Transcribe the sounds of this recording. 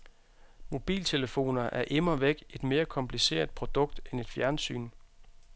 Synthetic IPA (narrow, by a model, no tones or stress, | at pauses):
mo̝b̥ḭːlt͡sʰe̝ləfo̝̰ːnɐʔæɐʔemɐʋeɡ̥e̝d̥me̝ːɐkʰɒ̽mpʰlise̝̰ːɐðd̥̚ˠpʰʁo̝d̥ɔ̽ɡ̥̚d̥ene̝d̥fjæɐnsy̰ːn